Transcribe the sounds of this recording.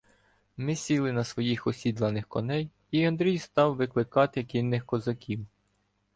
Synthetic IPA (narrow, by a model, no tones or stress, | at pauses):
mɪsʲilˠɪnɐsʋɔjixɔsʲid̪lˠɐnɪxkɔnɛj | iɐnd̪ɾʲijst̪ɑwʋɪklˠɪkɑt̪ɪkʲinːɪxkɔzɐkʲiw